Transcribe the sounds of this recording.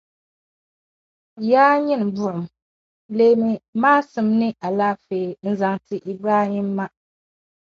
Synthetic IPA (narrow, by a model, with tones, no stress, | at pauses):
jaː˦ɲɛ˦n˨bʊ˦˨ʔʊ˨m | leː˦mi˦maː˦sɨ˨mnɨ˦ʔa˨laː˦feː˨n̩˦za˨ŋtɨ˨ʔi˦bɾaː˦hi˦mːa˦